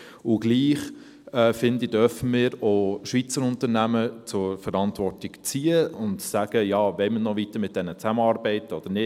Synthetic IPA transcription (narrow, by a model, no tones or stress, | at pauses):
ʊɡliːχ | ɛːfɪndid̥œɾfəmɪːɾoʃʋit͡səɾʊntəɾnæmət͡sʊɾfəɾɑntʋɔrtiɡt͡siːəʊndtsæɡ̥əjɑːʋɛɪmənɔvitəɾmɪt̚d̥ɛnət͡sæməɑːɾbɛɪtɔd̥ənɪ